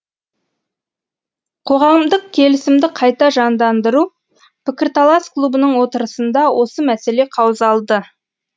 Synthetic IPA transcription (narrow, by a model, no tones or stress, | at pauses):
qʰo̞ʁɑmd̪əq̚kʲʰe̞lɪsɪmd̪ɪqʰɑjt̪ɑʒɑnd̪ɑnd̪əɾu | pʰɪkʲɪɾt̪alˠasklˠubənəɴwo̞t̪əɾəsənd̪ɑwʔo̞səmæse̞le̞qʰɑwəzɑlˠd̪ə